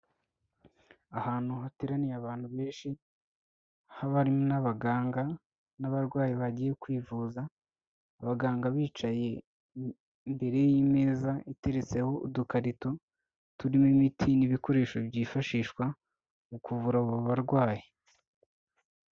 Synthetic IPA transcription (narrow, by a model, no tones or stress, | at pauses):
ahaːn̥huɦatiɾanijaβaːnhuβe̞ːnʃi | haβaɾimonaβaɡaːŋɡa | naβaɾɡwaːjiβaɟiːje̞kwiːvuːzaː | βaɡaːŋɡaβiːt͡ʃaje̞ | mbe̞ɾe̞jiːme̞ːzaite̞ɾe̞t͡se̞ho̞udukaɾito̞ | tuɾimimitʰiniβiko̞ɾe̞ːʃo̞bɟiːfaʃiːʃkwa | ukuvuɾauβuβaɾɡwaːji